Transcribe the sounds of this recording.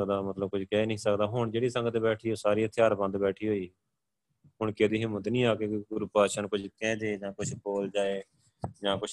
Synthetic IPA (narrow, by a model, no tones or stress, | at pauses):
kd̪aːmət̪ləb̚kʊt͡ʃʰkɛeːnəĩːsəkd̪aːɦʊɳd͡ʒeːɽiːsə̃ŋɡət̪ːbɛːʈʰiːoːsaːɾiːət̪ʰːeaːɾbə̃nd̪bɛːʈʰiːɦoːiː | ɦʊɳkɪəd̪iːɦemʊd̪nĩːaːkeːɡʊɾupaːʃənkʊt͡ʃʰkɛ̃ːd̪eːd͡ʒãːkʊt͡ʃʰboːld͡ʒaːeː | d͡ʒãːkʊt͡ʃʰ